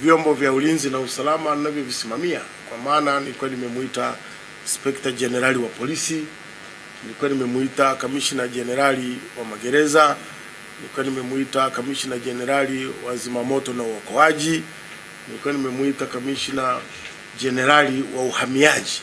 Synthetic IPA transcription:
vjɔmbɔvjaulinzinausalamainavjɔvisimamia | kwamaːnanilikuwanimɛmuita | spɛktad͡ʒɛnɛɾaliwapɔlisi | nilikuwanimɛmuitakamiʃnaʄɛnɛɾaliwamaɡɛɾɛza | nilikuwanimɛmuitakamiʃnaʄɛnɛɾaliwazimamɔtɔnauɔkɔaʄi | nilikuwanimɛmuitakamiʃna | ʄɛnɛɾaliwauhamiaʄi

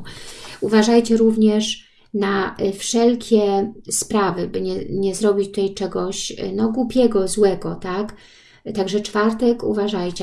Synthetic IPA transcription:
uvaʐajt͡ɕɛɾuvɲɛʂ | nafʂɛlkʲʰɛspɾavɘbɘɲɛɲɛzɾɔbʲit͡ɕt̪ut̪ajt͡ʂɛɡɔɕnɔɡwupʲjɛɡɔzwɛɡɔt̪ak | t̪aɡʐɛt͡ʂfaɾt̪ɛkṵvaʐajt͡ɕɛ

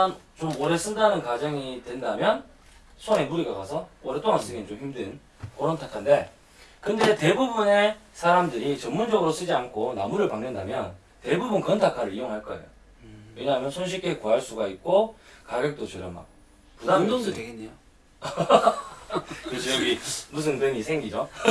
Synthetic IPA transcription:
an | t͡ɕomoɾe̞s͈ɯndanɯnkad͡ʑʌŋitwe̞ndamjʌn | sʰoŋe̞muɾiɡakasʰʌoɾet͈oŋans͈ɯɡent͡ɕomçimden | koɾʌntʰakʰande̞ | kɯnde̞te̞bubune̞sʰaɾamdɯɾit͡ɕʌnmund͡ʑʌɡɯɾos͈ɯd͡ʑiankʰona̰muɾɯɭpaŋnɯndamjʌn | te̞bubunkɯʌntʰakʰaɾɯɾijoŋɦaɭk͈ʌe̞̰jo̰ | we̞ɲaɦamjʌnsʰonɕ̬ʰik͈e̞koɦaɭs͈uɡaik̚k͈okaɡjek̚t͈ot͡ɕeɾjʌma̰k̚ | kudadodoteɡenːejo | ɯt͡ɕiʌɡimus̬ʰɯntwenisʰeŋɡid͡ʑo

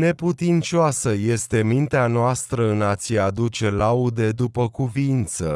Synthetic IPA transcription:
ne̞put̪int͡ʃoasəje̞st̪e̞mint̪eanoast̪ɾəɨnat̪siad̪ut͡ʃe̞laud̪e̞d̪upəkuvint̪sə

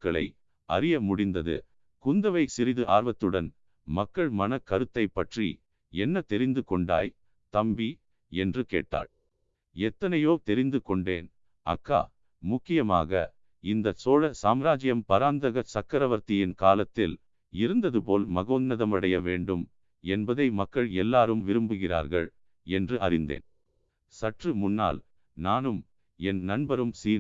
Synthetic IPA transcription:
kːɐɭɐ̰ɪ | ɐ̰ɾɪjɐmʊɽɪnd̪ɐðɯ̰ | kʊnd̪ɐʋɐɪsɪɾɪðɯʔaːɾʋɐt̪ːɯɽɐn | mɐkːɐɭmɐnɐkːɐɾɯt̪ːɐɪpːɐʈrḭ | ɛnːɐt̪ɛɾɪnd̪ɯkɔɳɖa̰ːj | t̪ɐmbi | ɛndrɯkḛːʈːa̰ːɭ | ɛt̪ːɐnɐjoːt̪ɛɾɪnd̪ɯkɔɳɖeːn | ɐ̰kːa̰ː | mʊkːɪjɐma̰ːɣɐ̰ | ɪnd̪ɐsoːɻɐsaːmɾaːd͡ʒɪjɐmpɐɾaːnd̪ɐɣɐt͡ʃɐkːɐɾɐʋɐɾt̪ɪjɪnkaːlɐt̪ːɪl | ɪɾɯnd̪ɐðɯpoːlmɐɣoːnnɐðɐmɐɽɐjɐʋeːɳɖɯm | ɛnbɐðɐɪmɐkːɐɭɛlːaːɾɯmʋɪɾɯmbɯɣɪra̰ːɾɣɐ̰ɭ | ɛndrɯʔɐ̰ɾɪnd̪ḛːn | sɐʈrɯmʊnːa̰ːl | naːnɯm | ɛnnɐnbɐɾɯmsiː

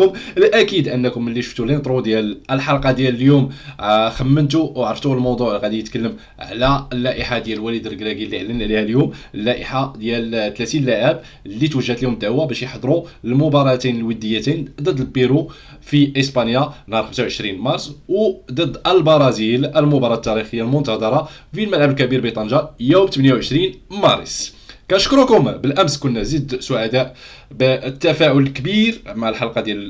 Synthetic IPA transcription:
ʊməlʔækid̪ʔənːəkʊməlːiʃu̥ft̪ulinət̪ˤɾˤud̪jæləlħɑlqɑd̪jæləljumxəmːənt̪̬uwʕɾəft̪ulmɑwd̪ˤuʕlɣæd̪ijət̪kəlːəm | ʕlæəlːæʔəħad̪jælwælid̪əlɡɾæɡilːiʕlːənʕlihæljuməlːæʔəħad̪jælt̪læt̪inlæʕæb | lːit̪wəʒːæt̪lihʊmd̪æwæbæʃjħd̪ˤɾulmʊbɑɾˤɑt̪inəlwəd̪ːəjːæt̪ind̪əd̪lbiɾu | fiʔəspɑnjanhɑɾˤxəmsawʕəʃɾinmɑɾˤsˤwd̪əd̪ːʔəlbɑɾˤɑzilʔəlmʊbɑɾˤɑt̪ːɑɾixəjːalmʊnt̪ɑd̪ˤɑɾˤɑfilmælʕəbəlkæbiɾbit̪ˤɑnjɑjuwbt̪əbnjawʕəʃɾinmɑɾ̰ˤs | kænəʃkɾukʊmbəlʔæmskʊnːæzəd̪sʊʕad̪æʔ | bt̪ːæfæʕʊlkbiɾmaʕəlħɑlqɑd̪jæl

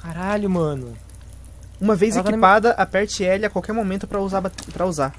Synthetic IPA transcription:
kaɾaʎʊmɐ̃nʊ | ũmɐvejzekipad̪ɐʔapɛɾt͡ʃɪɛʎakwawkɛɾmomẽnt̪ʊpɾɐzab̪pɾɐuzaɾ

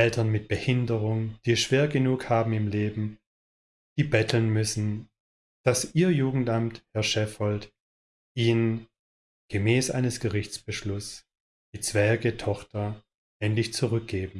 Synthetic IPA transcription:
ʔɛltɐnmɪt̚b̥əhɪndəʁʊŋd̥iːsʃv̥eːɐɡənuːkhaːbm̩ɪmleːbm̩ | d̥iːbɛtʰl̩nmʏsn̩ | d̥asʔiːɐjuːɡŋ̩tʔamthɛɐʃɛfhɔlt | ʔiːn | ɡ̥əmɛːsʔa̰ɪnəsɡ̥əʁɪçt͡sb̥əʃlʊs | d̥iːt͡sv̥ɛɐɡətʰɔχtɐ | ʔɛntlɪçt͡suʁʏk̚ɡ̥eːbm̩

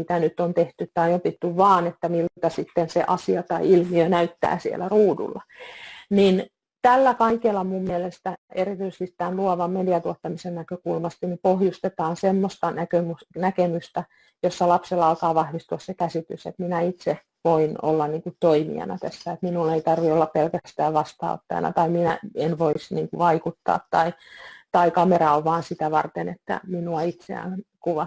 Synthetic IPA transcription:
mit̪ænyt̪ːˑont̪eht̪yt̪t̪ɑiopit̪ːyʋʋɑːnet̪ːæmilːt̪ɑsit̪ːensḛʔɑsiɑt̪ɑiilmiønæyt̪ːæ̰ːsiḛlæruːdṵlːɑnin | t̪ælːækɑikelːɑmummielest̪æḛrit̪yise̥st̪it̪t̪ænluɑʋɑmmediɑt̪uɑt̪ːɑmisennækøkulmɑst̪inipohjust̪et̪ɑːnsemːost̪ɑnækømusnækemyst̪æ | josːɑlɑpselːɑɑlkɑːʋɑhʋist̪uɑssekæsit̪ysḛt̪minæit̪se | ʋoino̰lːɑnniːŋkutt̪oimḭɑ̰nɑ̰t̪æsːæet̪minuleit̪ɑrʋiolːɑppelkæst̪æːʋʋɑst̪ɑ̰o̰t̪ːɑ̰jɑ̰nɑ̰t̪ɑiminæenʋoisniːŋkuʋɑikut̪ːɑ̰ːt̪tɑit̪ɑikɑmerɑoʋʋɑːnsit̪æʋɑ̰rt̪enḛt̪ːæ̰minuɑit̪sḛæ̰nkuʋɑ

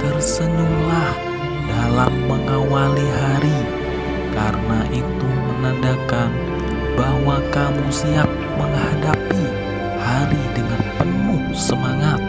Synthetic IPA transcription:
t̪ərsənulah | dalamːəŋawaliɦaɾi | kaɾənaʔit̪umənandakan | bahwakamusiak̚məŋhadapi | haɾidəŋanp̪ənu | səmaŋat̪̚

